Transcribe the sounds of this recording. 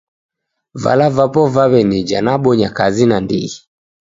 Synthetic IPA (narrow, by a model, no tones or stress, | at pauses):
va̰lavapɔvaβɛnid͡ʒanaɓɔɲakazinandḭi